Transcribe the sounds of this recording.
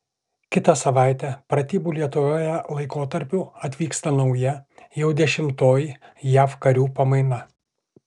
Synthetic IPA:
kʲɪt̪ɐsɐʋaˑɪt̪ʲɛpɾɐt̪ʲiːbuːlʲiɛt̪ʊʋʲoːjɛlˠɐɪkoːt̪ɐɾʲpʲʊɐt̪ʲʋʲiːkst̪ɐnɒʊjɛjɛʊd̪ʲɛʃʲɪmt̪oːjɪjæːfkɐɾʲuːpɐmɐɪnɐ

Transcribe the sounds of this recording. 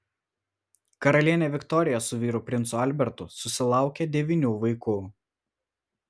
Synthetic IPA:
kɐɾɐlʲiɛnʲeːʋʲɪkt̪ɔɾʲɪjɛsʊʋʲiːɾuːˑpʲɾʲɪnsʊɐlʲbʲɛɾt̪ʊsʊsʲɪlˠɑˑʊkʲed̪ʲɛʋʲiːnʲuːʋɐɪkuː

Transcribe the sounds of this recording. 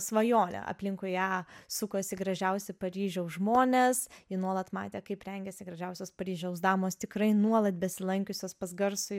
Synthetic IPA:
sʋɐjoːnʲɛ̰ɐ̰pʲlʲɪŋkʊɪɑːsʊkosʲɪɡɾɐʒʲɛʊsʲɪpɐɾʲiːʒʲɛʊsʒmoːnʲesɪnuɔlˠɐt̪mɑ̰ːt̪ʲeːkɐɪpɾʲɛŋʲɡʲɛsʲɪɡɾɐʒʲɛʊsʲoːspɐɾʲiːʒʲɛʊsd̪ɑːmoːst̪ʲɪkɾɐɪnuɔlˠɐt̪̚bʲɛsʲɪlˠɐŋʲkʲʊsʲoːspɐzɡɐrsʊ

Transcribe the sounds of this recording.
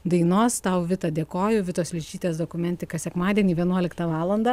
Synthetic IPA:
d̪ɐɪnoːst̪ɐʊʋʲɪt̪ɐd̪ʲeːkoːjʊʋʲɪt̪oːslʲɪt͡ʃʲiːt̪ʲeːsd̪oːkʊmʲɛnʲt̪ʲɪkɐsʲɛkmɑːd̪ʲiɛnʲiːʋʲiɛnuɔlʲɪkt̪ɐʋɑːlˠɐnd̪ɐ

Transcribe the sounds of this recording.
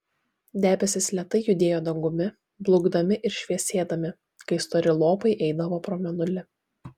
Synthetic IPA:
d̪ʲæːbʲɛsʲɪslʲɛt̪ɐɪjʊd̪ʲeːjoːd̪ɐŋɡʊmʲɪ | blˠʊɡd̪ɐmʲɪʔɪɾʃʲʋʲiɛsʲeːd̪ɐmʲɪ | kɐɪst̪oɾʲɪlˠoːpɐɪʔɛɪd̪ɐʋoːpɾɔːmʲɛnʊlʲɪ

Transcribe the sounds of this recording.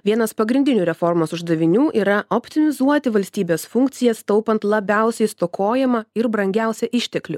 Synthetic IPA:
ʋʲiɛnɐspɐɡɾʲɪnd̪ʲɪnʲuːɾʲɛfɔɾmosʊʒd̪ɐʋʲɪnʲuːʔiːɾɐopʲt̪ʲɪmʲɪzuɔt̪ʲɪʋɐlʲsʲt̪ʲiːbʲeːsfʊŋk̚t̪sʲɪjɛst̪ɔʊpɐnt̪lˠɐbʲæˑʊsʲɛɪst̪okoːjɛmɐɪɾbɾɐŋʲɡʲæˑʊsʲɛʔɪʃʲt̪ʲɛklʲʊ

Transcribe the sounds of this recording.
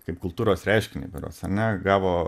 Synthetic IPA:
kɐɪpkʊlˠt̪uːɾoːsɾʲɛɪʃʲkʲɪnʲḛɪbʲɪɾo̰ːsɐ̰nʲɛɡɑːʋoː

